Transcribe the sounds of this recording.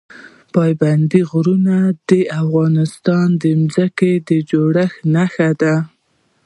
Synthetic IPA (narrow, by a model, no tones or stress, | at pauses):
pɑjband̪iɣɾunad̪əafɣɑnɪst̪ɑnd̪əmzəked̪əd͡ʒoɽəxnaxad̪a